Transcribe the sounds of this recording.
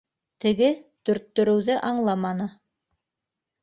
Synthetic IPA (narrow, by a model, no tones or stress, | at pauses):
t̪ɘ̆ɡɘt̪ɵ̆ɾt̪ːɵ̆ɾɵ̆wðɘʔɑɴlˠɑmɑnɤ